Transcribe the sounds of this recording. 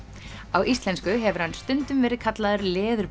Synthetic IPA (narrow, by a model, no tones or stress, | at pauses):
awʔist̪lɛnskʏɦɛvʏɾhanst̪ʏnt̪ʏmvɛːɾɪðkʰat̪laðʏɾlɛːðʏɾ